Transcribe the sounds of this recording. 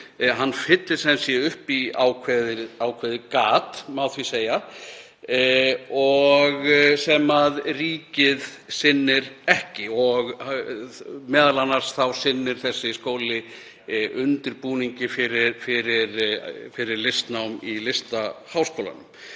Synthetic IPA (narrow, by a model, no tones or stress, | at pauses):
ɦanːfɪt̪lɪ̥sɛmsjɛʏhpiawkʰvɛðɪaːwkʰvɛːðɪkaːt̪mawθviseːja | ɔɣsɛmaðriːcɪð | sɪnːɪɾɛhcɪɔɣ | mɛːðalanːaɾ̥sθawsɪnːɪɾ̥θɛsːɪskoːwlɪ | ʔʏnt̪ɪɾpuːniɲcɪfɪɾɪfɪɾɪɾfɪɾɪɾlɪst̪nawmilɪst̪ahaːwskowla̰nʏm